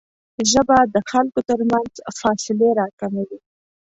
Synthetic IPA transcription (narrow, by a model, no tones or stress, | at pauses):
ʒəbad̪əxalkot̪əɾmanzfɑsɪleɾɑkamawi